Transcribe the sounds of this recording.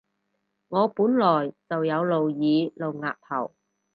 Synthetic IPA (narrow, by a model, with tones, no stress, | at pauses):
ŋɔː˨˧puː˨˥nlɔː˨˩jt͡sɐ˨wjɐ˨˧wlo˨wjiː˨˧lo˨wŋaː˨˧k̚t̪ʰɐ̰˨˩w